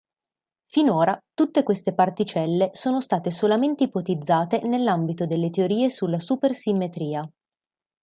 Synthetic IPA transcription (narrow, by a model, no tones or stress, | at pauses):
finoːɾat̪ut̪ːekwest̪epart̪it͡ʃɛlːesoːnost̪aːt̪esolament̪eipot̪id̪zːaːt̪enelːambit̪od̪elːet̪eoɾiːesulːasupersimːet̪ɾiːa